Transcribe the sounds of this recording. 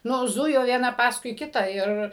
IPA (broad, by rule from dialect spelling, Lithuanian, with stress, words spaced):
ˈnʊ ˈzʊjoː ʋʲiɛˈnɐ ˈpɑːskʊɪ ˈkʲɪtɑː ˈɪr